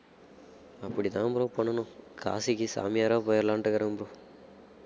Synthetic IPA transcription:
ɐpːuɽid̪aːmbɾopɐɳɐnuka̰ːsikisa̰ːmjaːɾaːpɔːjɐɾlaːɳʈɐɡɐɾɐmbɾu

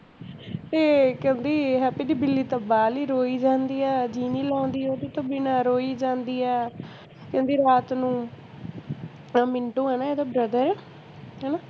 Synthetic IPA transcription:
t̪eːkɛ̃nd̪iːɦɛːpɪd̪iːbɪlːiːt̪əbaːliːɾoːiːd͡ʒãːnd̪iːɛːd͡ʒiːniːlɔ̃ːnd̪iːoːd̪eːt̪õːbɪnaːɾoːiːd͡ʒãːnd̪iːɛː | kɛ̃nd̪iːɾaːt̪nũː | mɪɳʈõːɦɛːnaːeːd̪õːbɾəd̪əɾɛː | ɦɛːnaː

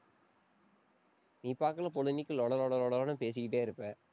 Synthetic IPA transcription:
miːpːaːkːɐlɐpɔlɯnɪkːɯlɔɽɐlɔɽɐlɔɽɐlɐnɯpeːs̬ɪkːɪʈ̬ːeːɪɾɯpːe

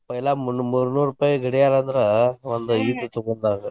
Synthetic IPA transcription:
pɐjɪlaːmʊnːɯmuɾɯnuːɾɯpɐjɡɪɽɐjaːlɐɐnd̪ɪɾɐʋɐnd̪ɐiːt̪ɯt̪ɔɣɐnd̪aːŋɡɐ

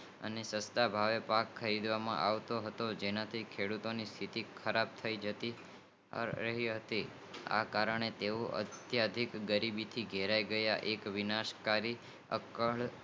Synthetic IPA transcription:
ə̰nesəst̪abʱaʋepakʰːəɾid̪ʋamã̰ʔaʋt̪oɦət̪od͡ʒenat̪ʰikʰeɽut̪onist̪ʰit̪ikʰəɾab̚t̪ʰəid͡ʒət̪ḭ | ɾəɦiɦət̪i | a̰kaɾəɳ̃et̪eoʔə̰t̪jad̪ʱikɡəɾibit̪ʰiɡʱeɾaiɡəjaʔekʋɪnaʃkaɾi | ə̰kəɭ

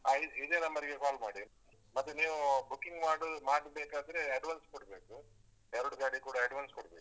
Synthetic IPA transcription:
aːisid̪eːnɐmbɐɾiɡekaːlmaːɽi | mɐt̪ːuniːʋubukːiŋɡmaːɽumaːɽbeːkaːd̪ɐɾe̞ɐɖʋanskoɔɽbeːku | ɛɾuɽuɡaːɽikuːɽɐɐɖʋaːnskɔɽbeːku̥

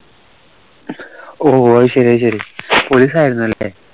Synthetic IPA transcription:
oːɕɐɾiɐɕɐɾipoliːsaːjiɾunːuɐlːe

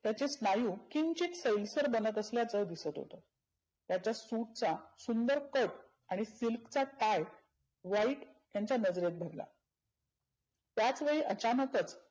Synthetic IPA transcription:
t̪jat͡ɕesnajuːkint͡ɕiːt̪səjlsəɾbənət̪əsljat͡səd̪isət̪ɦo̰t̪o | t̪jat͡ɕjasuʈ̚t͡sasund̪əɾkəʈ | aɽ̃isilkt͡saʈaj | ʋaiːʈjãɲt͡ɕjanəd͡zɾet̪̚bʱəɾla̰ | t̪jat͡sʋeɭiːʔət͡ɕanək̪ət͡s

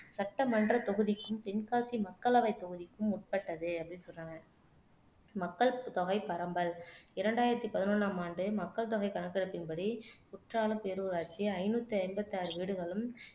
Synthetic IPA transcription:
sɐʈːɐmɐndrɐt̪ɔɣɯðɪkːɯmt̪ɪnkaːsimɐkːɐɭɐʋɐɪt̪ːɔɣɯðɪkːɯmʊʈ̚pɐʈːɐðɯɐpːɐɽɪnːsɔlraːŋɐ | mɐkːɐɭt̪ɔɣɐɪpɐɾɐmbɐlɪɾɐɳɖaːjɪɾɐt̪ːipɐðɪnɔnːaːmaːɳɖɯmɐkːɐɭt̪ɔɣɐɪkɐnɐkːɪɽɯpːɪnpɐɽiʊʈraːlɯpeɾuːɾaːʈ̚t͡ʃiɐɪnuːt̪ːɯɐɪmbɐt̪ːaːɾɯʋiːɽɯɣɐɭɯm

